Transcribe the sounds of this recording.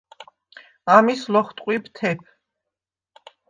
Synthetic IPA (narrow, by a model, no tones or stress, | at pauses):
amislɔχt̪ʼqʼwibt̪ʰɛpʰ